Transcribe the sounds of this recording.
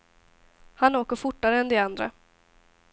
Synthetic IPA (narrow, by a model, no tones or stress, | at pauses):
hanoːkəɾfʊʈːaɾəɛnd̪ɪand̪ɾa̰